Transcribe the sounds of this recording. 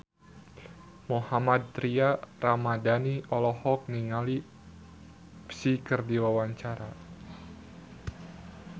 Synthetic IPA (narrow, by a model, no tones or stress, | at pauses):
mohamat̪̚ːɾiaramadaniʔɔlɔhɔk̚niŋali | psikərdiwawaɲt͡ʃaɾa